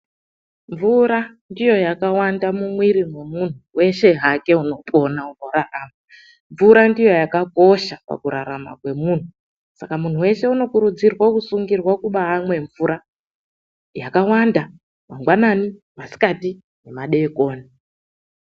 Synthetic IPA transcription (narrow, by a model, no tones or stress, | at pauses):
ɱvuɾa | ndijo̞jakawandamumwiɾimwemun̤uwe̞ʃe̞ɦake̞uno̞pʼo̞naunoɾaʔaːma | ɱvuɾandijo̞jakako̞ʃapa̰kuɾa̰ɾama̰kwe̞mun̤u | sakamun̤uwe̞ʃe̞uno̞kuɾud͡zirwakusuŋɡirwakuɓaːmwe̞ɱvuɾa | jakawanda | maŋɡwanani | masi̥kati | ne̞maɗe̞ko̞ːni